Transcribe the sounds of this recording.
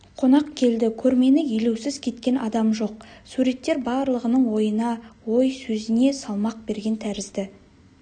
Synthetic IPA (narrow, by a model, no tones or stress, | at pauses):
qʰo̞nɑqkʲʰe̞ld̪ɪkʲʰɵɾme̞nɪjelewsɪzkʲʰe̞t̪kʲe̞nʔɑd̪ɑmʒo̞qsuɾe̞t̪ːe̞ɾbɑɾlˠəʁənəɴwo̞jənɑwo̞jsɵzɪne̞sɑlˠmɑq̚b̥e̞ɾɡʲe̞nt̪ʰæɾɪzd̪ɪ